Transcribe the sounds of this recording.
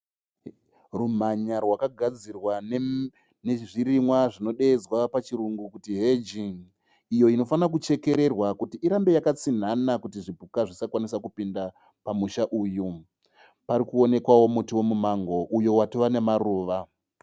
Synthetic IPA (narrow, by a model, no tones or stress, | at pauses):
rum̤aɲarwakaɡʱad͡zirwa | neʐiɾimwaʐino̞ɗe̞ːd͡zwapat͡ʃiɾuŋɡukutiɦed͡ʒiŋ | ijo̞ino̞fanak̬ut͡ʃe̞ke̞ɾe̞rwakutiʔiɾambe̞jakat͡sin̤anakutiʐibʱukaʐisakwanisakupinda | pamuʃaʔuːju | paɾikuo̞ne̞kwawo̞mutiwo̞mumaŋɡo̞ʔujo̞watoʋane̞maruːʋa